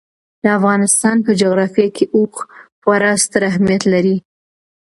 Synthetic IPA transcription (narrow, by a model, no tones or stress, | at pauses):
d̪̥əafɣɑnɪst̪ɑnpəd͡ʒoɣɾɑfjɑkʰeʔoxxwaɾɑst̪əɾaɦmijat̪laɾi